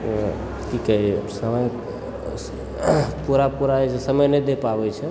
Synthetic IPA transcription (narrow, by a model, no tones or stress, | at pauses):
kikɛɦisəməj | puɾapuɾaɛt͡ʃesəməjned̪epabɛt͡ʃʰɛ